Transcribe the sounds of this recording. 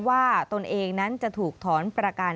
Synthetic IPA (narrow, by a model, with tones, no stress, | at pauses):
waː˥˩t̪o˧nʔeː˧ŋna˦˥nt͡ɕa˨˩t̪ʰuː˨˩k̚t̪ʰɔː˩˦˥npɾa˧kaː˧